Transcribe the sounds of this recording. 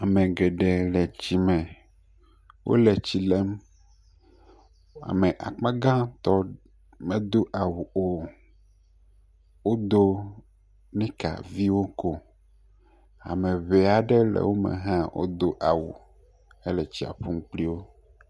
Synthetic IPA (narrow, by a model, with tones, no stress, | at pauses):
a˨mɛ̃˨ɡɛ˨ɖɛ˨lɛ˨t͡ɕi˨mɛ̃˨ | wʔo̰˦lɛ˨t͡ɕi˨lɛ˦m | a̰˨mẽ˨ʔa̰˨k͡pã˦ɡã˦t̪ɔ˦ | mɛ̃˦d̪o˦ʔa˨wu˨ʔo˦ | wo˦d̪o˦ | nɛ̃˦ka̰˨vi˦wo˦ko˦ | a̰˨mẽ˨βe˨a˨ɖɛ˦lɛ̰˨wo˦mɛ̰̃˨ɦã˦wʔo̰˦d̪o˦ʔa˨wṵ˨ | ɛ˦lɛ˨t͡ɕi˦a̰˨ɸu˦m˦k͡pli˦wo˦